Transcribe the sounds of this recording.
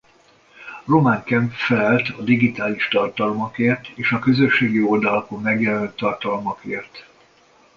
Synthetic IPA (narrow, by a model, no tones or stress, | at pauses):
ro̞maŋkɛmpfɛlɛlt̪ʰɒd̪iɡit̪aːliʃt̪ɒrt̪ɒlomɒkeːrt̪eːʃɒkø̞zø̞ʃːeːɡio̞ld̪ɒlɒko̞mːɛɡjɛlɛnt̪ːɒrt̪ɒlmɒkeːrt̪